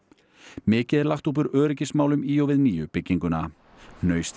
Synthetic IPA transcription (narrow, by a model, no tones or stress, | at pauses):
mɪːcɪðɛɾlaht̪up̬ʏɾœːɾɪcɪsmaːwlʏmiːɔwvɪðniːjʏpɪcːiŋkʏna̰ | nœːɥst̪